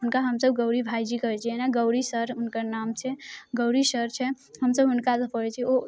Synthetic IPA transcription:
ɦunkaɦəmsəb̚ɡəʊɾibʱajd͡ʒikəɾɛt͡ʃʰɛenaɡəʊɾisəɾɦʊnkəɾnamt͡ʃʰɛɡəʊɾisəɾt͡ʃʰɛ | ɦəmsəbɦʊnkat̪əpəɾɛt͡ʃʰɛo

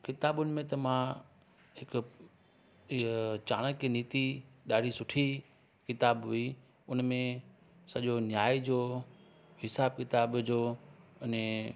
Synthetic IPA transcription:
kɪt̪aːɓʊnɪ̆mẽt̪ɐmã | ɦɪk | t͡ɕaːɽ̃əkeniːt̪iɗaːɽ̤isʊʈʰi | kɪt̪aːbɦʊi | ʊnmẽ | sɐʄonjaːid͡ʑoː | ɦɪsaːbkɪt̪aːbd͡ʑoːɪne

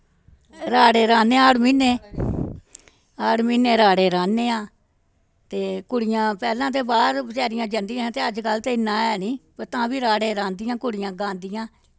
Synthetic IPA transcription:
ɾaːɽeːɾãːneːaːɽmiːneː | aːɽmiːneːɾaːɽeːɾãːneːãː | t̪eːkʊɽɪjãːpɛːlãːt̪̬eːbaːɾt͡ʃɛːɾɪjãːd͡ʒand̪ijãːt̪eːəd͡ʒkəlt̪eːɪnːãːɛːnĩːpəɾt̪ãːbiːɾaːɽeːɾãːnd̪ɪjãːkʊɽɪjãːɡãːnd̪ɪjãː

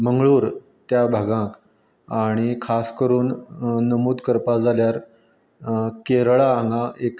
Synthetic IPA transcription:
məŋɡɭuːɾ | t̪jabʱaɡãk | aɽ̃ikʰaskəɾuːnːəmuːd̪kəɾpad͡zaljaɾ | keɾɭaːŋɡaʔek

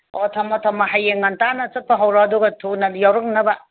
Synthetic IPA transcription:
otʰɐmɐtʰɐmɐɦajːeŋɐntanɐt͡ʃɐt̚pʰɐɦɐwɾɐɐduɡɐtʰunɐjawɾɐk̚nɐbɐ

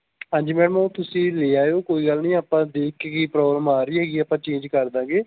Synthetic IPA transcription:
ɦãːd͡ʒimɛ̃ːmõt̪ʊsĩːleːaːjoːkoːiːɡəlnĩːaːpːãːd̪eːkʰːeːɡiːpɾɔːɡɾəmaːɾiːɦɛːɡiːapãːt͡ʃẽːnd͡ʒkəɾd̪ãːɡeː

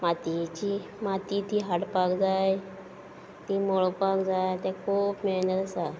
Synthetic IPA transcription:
mat̪it͡ɕimat̪it̪iɦaʈpakd͡zaj | t̪iːmoɭopakd͡zajt̪ɛ̃kʰuːpmenəɾasa

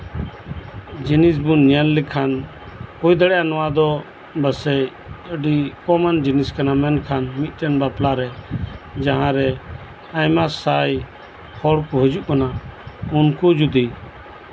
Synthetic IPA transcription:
d͡ʒinis̬bunːjanlikʰan | kujd̪əɽɛjanɔwad̪ɔ | bəsɛ | əɖikɔmand͡ʒiniskanamɛnkʰanmit̪̚ˀʈɛnbaplaɾɛ | d͡ʒaɦãɾɛ | ajmasaj | hɔɽkuɦəd͡ʒuʔkanaunkud͡ʒud̪i

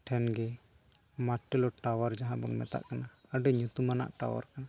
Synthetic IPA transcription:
ʈʰɛnɡɛ | maʈːɛlɔʈawaɾd͡ʒaɦãbɔnmɛ̰t̪a̰ʔkanaəɖɛɲut̪umana̰ʔʈa̰wa̰ɾkana

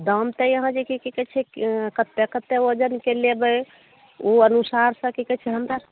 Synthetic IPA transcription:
d̪əmt̪əjəɦãd͡ʒekikikɛt͡ʃʰɛkət̪ːekət̪ːeod͡ʒənkelebəj | uənusaɾsə̃kikɛt͡ʃʰɛɦənd̪əɾ

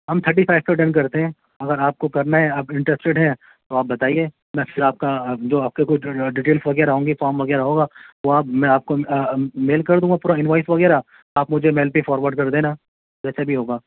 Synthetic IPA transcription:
ɦɐmt̪ʰəɾʈ̬ifaːɪʋ̚t̪oɖɐ̃nkɐɾt̪eɦɛ̃ː | ɐɡəɾaːp̚kokɐɾnaɦɛ̃aːbɪ̃ɳʈɾɛsʈeɖɦɛ̃ | t̪oaːp̚bɐt̪aːieː | mɛ̃ːfɪɾaːp̚kad͡ʒoːaːp̚kekot͡ʃʰɖiːʈeːlsʋɐɡɛːɾaɦũːɡifaːɾmʋɐɡɛːɾaɦoːɡaːoaːpmɛ̃aːp̚komeːlkɐɾd̪ũːŋɡapuːɾaɪnʋaːɪsʋɐɣɛːɾa | aːpmʊd͡ʒʱemɛːlpifɔːɾʋəɾɖ̚kɐɾd̪ẽːna | d͡ʒɛːsabʱiɦoːɡaː

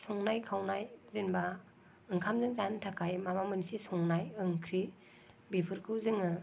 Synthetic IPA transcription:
sɔŋnajkʰawnajzɯnba | ɯŋkʰamzɯŋzantʰakʰajmamamɯnsisɔŋnajɯŋkʰɾi | bipʰɯɾkʰɯwzɯŋɯ

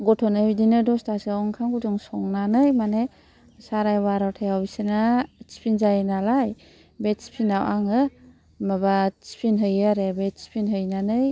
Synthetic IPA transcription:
ɡɔtʰɔnɯidinɯdɔstasiaɔŋkʰaŋɡuduŋsɔŋnanɯjmane | saɾajwaɾawtʰajawbisenat͡ʃi̥pʰinzajnalaj | bet̚si̥pʰinawʔaŋɯ | mabat͡ʃi̥pʰinɦɯjaɾebet̚si̥pʰinɦɯjnanɯj

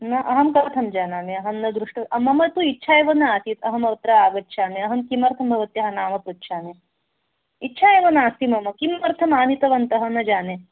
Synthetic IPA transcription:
nɐʔɐɦɐmkɐɾɐt̪ʰɐmd͡ʒaːnaːneɐɦɐnːɐd̪ɾuʂʈɐɐmɐmɐt̪uitːʃʰaːjeʋɐnɐaːt̪it̪ɐɦɐmɐʋɐt̪ɾɐaːɡɐt̪ːʃʰaːneɐɦɐmkimɐɾt̪ʰɐmbʱɐʋɐt̪jɐɦɐnaːmɐt̪utːʃʰaːne | itːt͡ʃʰaːjeʋɐnaːst̪imɐmɐkimːɐɾt̪ʰɐmaːnit̪ɐʋɐnt̪ɐɦɐnɐd͡ʒaːne

